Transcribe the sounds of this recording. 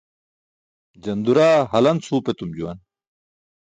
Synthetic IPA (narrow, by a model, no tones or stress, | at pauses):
d͡ʑɐnd̪uɾaːɦɐlɐnsʰuːpet̪umd͡ʑuwɐn